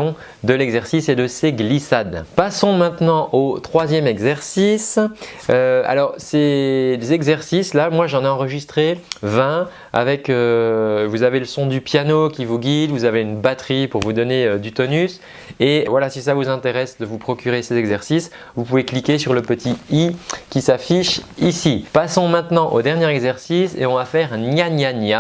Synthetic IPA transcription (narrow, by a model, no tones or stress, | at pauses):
d̪əlɛɡzɛʁsised̪əseɡlisad̪pasɔ̃mɛ̃t̪nɑ̃ʔot̪χwazjɛmɛɡzɛʁsis | øa̰lɔʁsezɛɡzɛʁsislamwaʒɑ̃neɑ̃ʁəʒist̪χevɛ̃ | a̰vɛkøvuzaveləsɔ̃d̪ypjanokʲivuɡʲid̪vuzaveynbat̪χipuʁvud̪ɔneød̪yt̪ɔnys | evwalasisavuzɛ̃t̪eʁɛsd̪əvupχɔkʲyʁesezɛɡzɛʁsis | vupuveklikʲesyʁləpət̪ʰiikʲisafiʃisipasɔ̃mɛ̃t̪nɑ̃ʔod̪ɛʁnjɛʁɛɡzɛʁsisḛɔ̃vafɛʁ̃njanjanja